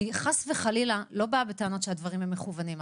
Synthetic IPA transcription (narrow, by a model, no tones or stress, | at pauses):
iχasveχalilalo̞baabeteano̞tʃehadvaʁimhemːeχuvanim